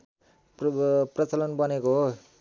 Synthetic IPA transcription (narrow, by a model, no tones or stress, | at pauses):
prʌt͡sʌlʌnbʌnekoɦo